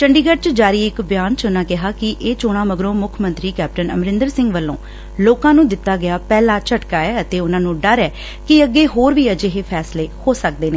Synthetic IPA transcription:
t͡ʃəɳɖiːɡəʈ̚t͡ʃd͡ʒaːɾiːɪkbjaːnt͡ʃʊnãːkɪɦaːkɪʔeːt͡ʃoːɽ̃ãːməɡɾõːmʊkʰmə̃nt̪ɾiːkɛːp̚ʈənə̰mɾɪ̃nd̪əɾsɪ̃ŋɡʋəlːõ̰ː | loːkãːnũːd̪ɪt̪ːaːɡɪjaːpɛːlaːt͡ʃəʈkaːɛːət̪eːʊnãːnũːɖəɾɛː | kɪəɡːeːɦoːɾʋiːəd͡ʒeːɦeːpʰɛːsleːhoːsək̚d̪eːneː

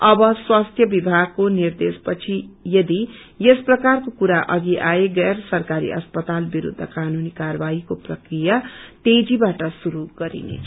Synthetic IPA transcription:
ʌbʌswast̪ʰjʌbibʱaɡ̚konird̪espʌt͡sʰijʌd̪i | jesprʌkarkokuɾaʔʌɡiʔaeɡersʌrkaɾḭʔʌ̰spʌt̪albiɾṵd̪ʱːʌ̰kanunikarʌbaikoprʌkrijat̪ed͡zibaʈʌsuɾuɡ̥ʌɾḭnḛt͡sʰʌ

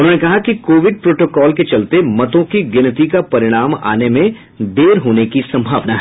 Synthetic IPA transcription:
ʊnɦõːnekɐɦakikoːʋɪɖ̚pɾoːʈoːkɔːlket͡ʃɐlt̪emɐt̪õkiɡɪnt̪ikapɐɾɪɽ̃aːma̰ːnemẽ | d̪eːɾɦoːnekisɐ̃mbʱaːʋnaɦɛ

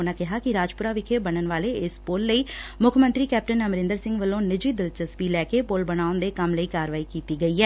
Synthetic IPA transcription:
nãːkɪɦaːkɪɾaːd͡ʒpʊɾaːʋɪkʰeːbəɳənʋaːleːɪspolːəiːmʊkʰmə̃nt̪ɾiːkɛːp̚ʈənəmɾɪ̃nd̪əɾsɪ̃ŋɡʋəlːõːnɪd͡ʒiːd̪ɪlt͡ʃəsʋiːlɛːkeːpolbəñaːʊnd̪eːkəmləiːkaːɾʋaːiːkiːt̪iːɡəiːɦɛː

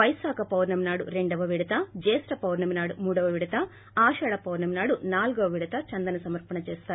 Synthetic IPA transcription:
ʋɐjsaːkɐpɐwɾnɐminaːɽṵɾe̞ɳɖɐʋɐʋiɽɐt̪ɐd͡ʒeːsɾɐpɐwɾnɐminaːɽumuːɽɐʋɐʋiɽɐt̪ɐ | aːʃɐːɽɐpɐwɾnɐminaːɽunaːluɡɐʋɐʋiɽɐt̪ɐt͡ʃɐnd̪ɐnɐsɐmɐɾpɐɳɐt͡ʃɛːst̪aːɾ

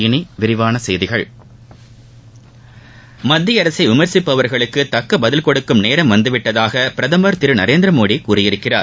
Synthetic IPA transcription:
ɪniʋɪɾɪʋaːnɐsɛjðɪɣɐɭ | mɐd̪ːɪjɐɾɐsɐɪʋɪmɐɾsɪpːɐʋɐɾɣɐɭɯkːɯt̪ɐkːɐbɐðɪlkɔɽɯkːɯmneːɾɐmʋɐnd̪ɯʋɪʈːɐðaːɣɐpɪɾɐðɐmɐɾt̪ɪɾɯnɐɾeːnd̪ɾɐmoːɽikuːrɪjɪɾɯkːɪra̰ːɾ

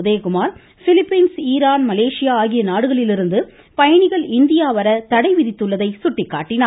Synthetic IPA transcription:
ðeːkʊmaːɾ | fɪlɪpːɐɪnsiːɾaːnmɐleːʂɪjaːaːɣɪjɐnaːɽɯɣɐɭɪlɪɾɯnd̪ɯ | pɐjɐɳɪɣɐɭɪnd̪ɪjaːʋɐɾɐt̪ɐɽɐɪʋɪðɪt̪ːɯɭːɐðɐɪsʊʈːɪkːaːʈːɪnaː

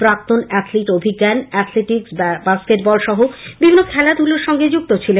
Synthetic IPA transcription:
pɾak̚t̪onɛt̪ʰleʈobʱiɡːanɛt̪ʰleʈiksbaskeʈbɔlʃɔɦobibʱinːokʰɛlad̪ʱuloɾʃɔŋɡed͡ʑuk̚t̪ot͡ɕʰilen

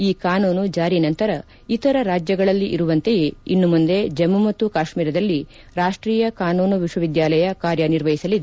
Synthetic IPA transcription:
iːkaːnuːnud͡ʒaːɾinɐnt̪ɐɾɐ | it̪ɐɾɐɾaːd͡ʒjɐɡɐɭɐlːiʔḭɾuʋɐnt̪e̞jeinːumund̪e̞d͡ʒɐmːumɐt̪ːukaːʃmiːɾɐd̪ɐlːi | ɾaːʂʈɾiːjɐkaːnuːnuʋiʃʋɐʋid̪jaːlɐjɐkaːɾjɐniɾʋɐjisɐlid̪

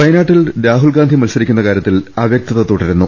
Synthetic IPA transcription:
pɐjɐnaːʈːilɾaːɦulɡaːnd̪ʱimɐlsɐɾikʲːunːɐkaːɾjɐt̪ːilaːʋjɐk̚t̪ɐðɐt̪oːʈːiɾunːu

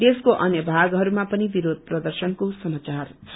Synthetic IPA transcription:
d̪eskoʔʌnjʌbʱaɡɦʌɾumapʌnibiɾod̪̚ʱprʌd̪ʌrsʌnkosʌmat͡sarʰ

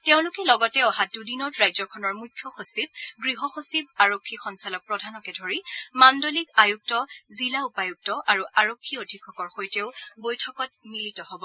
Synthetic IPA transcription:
teʊ̃lʊkɛlɔɡɔtɛɔɦadudinɔtɹajzɔkʰɔnɔɹmujkʰːjɔxosib̚ɡɹiɦɔxosib̚aɹokʰːixɔnsalɔk̚pɹɔdʱanɔkɛdʱoɹimandolikajuk̚tɔzilaupajuk̚tɔʔaɹuʔaɹokʰːiodʱikʰːɔkɔɹxojteʊbojtʰɔkɔt̚militɔɦobɔ

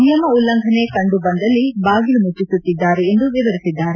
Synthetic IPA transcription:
nijɐmɐulːɐŋɡʱɐne̞kɐɳɖubɐnd̪ɐlːibaːɡilumut͡ʃːisut̪ːid̪ːaːɾeːnd̪uʋiʋɐɾisid̪ːaːɾe

